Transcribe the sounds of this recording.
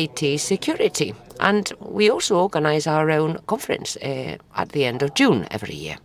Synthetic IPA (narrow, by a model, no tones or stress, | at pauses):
ɪtʰisɪkʰj̥ɔːɹɪtiʔə̰̃ndwiɔlˠsoɔːɹɡənaɪzaʊəɹõʊ̃nkʰɔ̃ɱfəɹə̰̃nsʔə̰t̚ðiɛ̃ndəvd͡ʒũnɛ̰vɹḭjɪ̰ə